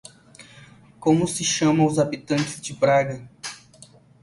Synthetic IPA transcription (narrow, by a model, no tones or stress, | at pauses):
kõmʊsɪʃɐ̃mɐ̃ʊzabit̪ɐ̃nt͡ʃɪzd͡ʒɪpɾaɡɐ